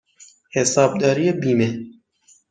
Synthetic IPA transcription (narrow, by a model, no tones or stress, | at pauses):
hesɑːb̚d̪aːɾijebiːme